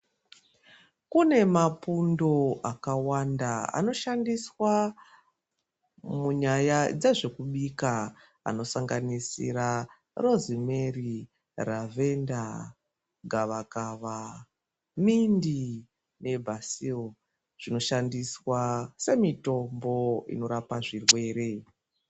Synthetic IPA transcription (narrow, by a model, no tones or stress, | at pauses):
kune̞mapundo̞ʔakawandaa̰no̞ʃandiswa | muɲajad͡zeʐe̞kuɓika | a̰no̞saŋɡanisḭɾa | ro̞zime̞ri | rave̞nda | ɡʱaʋakaʋa | mindi | ne̞bʱasio | ʐ̥ino̞ʃandiswase̞mito̞mbo̞ḭno̞ɾapaʐirwe̞ːɾe̞